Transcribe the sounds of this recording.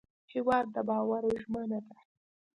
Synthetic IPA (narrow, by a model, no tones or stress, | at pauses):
hɪwɑd̪̚ːəbɑwaɾoʒmənat̪a